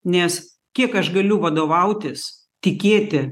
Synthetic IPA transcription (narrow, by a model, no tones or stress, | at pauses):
nʲɛs | kʲiɛkɐʃɡɐlʲʊʋɐd̪oːʋɐʊt̪ʲɪs | t̪ʲɪkʲeːt̪ʲɪ